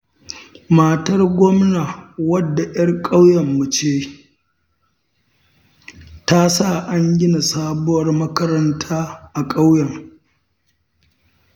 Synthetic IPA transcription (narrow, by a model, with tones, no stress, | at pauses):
ma˨tɐ˦rɡʷɔ˦mna˨wɐ˦dːa˨jɐ˦rkʼa˦wjɐ˨mːu˨t͡ʃeː˦ | ta˦sa˦˨ʔa˦ɲɡʲɪ˦na˨saː˦bʊ˦wɐ˦rmɐ˦kɐ˦ɾɐ˦ntʰaː˦ʔa˨kʼa˦wjɐ˨ŋ